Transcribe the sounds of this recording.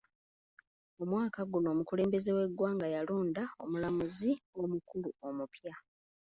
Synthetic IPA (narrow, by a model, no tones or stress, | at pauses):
o̞mwaːkaɡuno̞ːmukule̞ːmbe̞ze̞we̞ɡwaːŋɡajaloːndao̞̰mulamuzio̞mukuluo̞mupja